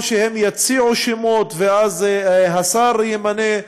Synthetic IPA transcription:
ʃehemjat͡siʕuʃimot̪veazɦasaɾjemane

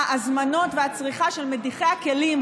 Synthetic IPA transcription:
azmano̞tveat͡sʁiχaʃe̞lmediχe̞jake̞lim

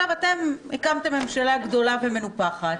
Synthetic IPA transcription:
avat̪e̞mhikamt̪e̞mːe̞mʃalaɡdo̞laveme̞nupaχat

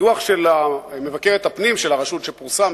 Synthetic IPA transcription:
uaχʃe̞lame̞vakeʁet̪hapnimʃelaʁaʃut̪ʃepuʁsam

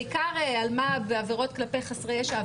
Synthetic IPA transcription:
ikaʁealmabeaveʁo̞t̪klapejχasʁejeʃa

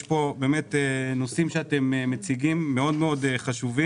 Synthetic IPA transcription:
ʃpo̞be̞ːmet̪enosimʃeat̪ememet͡siɡimːeo̞d̪meo̞d̪eχaʃuvi

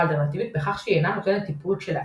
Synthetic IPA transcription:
lt̪ɛɾnat̪ʰivit̪̚bɛχaχʃiɛnamusɛnɛt̪ʰipʼult͡ʃʰɛla

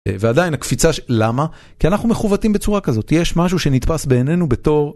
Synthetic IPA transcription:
veadainakfit͡saʃelama | kianaχnume̞χuvatimbet͡suʁakazo̞tjeʃmaʃ̬uʃe̞nitpasbe̞ːne̞nube̞to̞ʁ

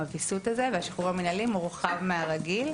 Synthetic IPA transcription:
avisut̪azeveaʃi̥χuʁhaminalimuʁχavmeaʁaɡil

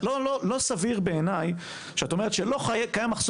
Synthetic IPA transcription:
lololo̞saviʁbe̞enaj | ʃeatomeet̪ʃelo̞χaekajamaχs

